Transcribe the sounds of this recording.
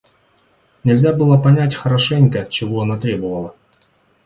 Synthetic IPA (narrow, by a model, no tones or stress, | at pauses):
nʲɪlʲzʲabɨlˠəpɐnʲætʲxəɾɐʂɛnʲkət͡ɕɪvoɐnat̪ɾʲebəvəlˠə